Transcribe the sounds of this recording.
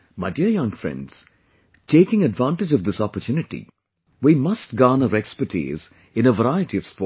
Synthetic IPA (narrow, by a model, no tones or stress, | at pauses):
maɪɖiəɾjʌ̃ŋfɾɛ̰̃nɖz̥ | ʈʰeːkɪ̃ŋəɖʋãːnʈɪd͡ʒʌʋd̪ɪsɔpəɾtʰjunɪʈḭ | wimʌsʈɡaːnəɾɛkspəɾʈʰḭːz | ɪ̃nəʋəɾaɪəʈiʌʋ̥spɔː